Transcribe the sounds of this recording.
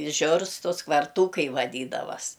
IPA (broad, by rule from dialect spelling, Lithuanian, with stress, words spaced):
ɪ ˈʒʲʊrstʊs kʋɐrˈtuːkɐɪ ʋɐˈdʲiːdɐʋɐs